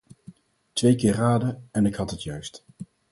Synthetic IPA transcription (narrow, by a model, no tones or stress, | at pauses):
tʋejkɪːraːdəɛnɪkhɑtɦətjœɥst